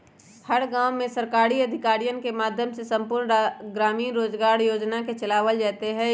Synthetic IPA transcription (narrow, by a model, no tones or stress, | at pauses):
hɐɾɡãːwmẽsɐɾkaːɾiɐd̪ʱɪkaːɾijənkemaːd̪ʱjəmsesɐ̃mpʊːɾɳɡɾaːmiːnɾoːd͡ʒɡaːɾjoːd͡ʒnaket͡ʃɐlaːʋəld͡ʒaːt̪eɦɛ̃